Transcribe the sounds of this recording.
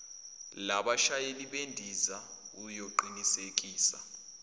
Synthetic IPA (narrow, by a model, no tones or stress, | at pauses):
laɓaʃajeliɓendʱiza | ujoǃinisek̬ʼiːsa